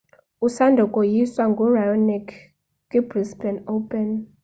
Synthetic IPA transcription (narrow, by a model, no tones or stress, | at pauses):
usandʱɔkʼɔjiswaŋɡʱɔrajɔnik | ɡibrispʰɛnopʼɛn